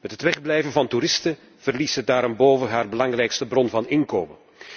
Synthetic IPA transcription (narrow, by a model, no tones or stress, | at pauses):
mɛtɦətʋɛχblɛjvənvɑntuɾɪstə | v̥ərlisədaːɾɔmboːvəɦaːrbəlɑŋrɛjkstəbrɔnvɑnɪnkoːmə